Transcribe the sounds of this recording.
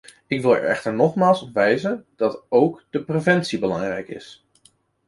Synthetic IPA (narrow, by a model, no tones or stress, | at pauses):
ɪkʋɪlˠɛ̰ɹɛ̰χtəɹnɔχmaːlˠsɔpʋɛjzənd̥ɑtowkd̥əprevɛntsibəlɑŋrɛjkɪ̰s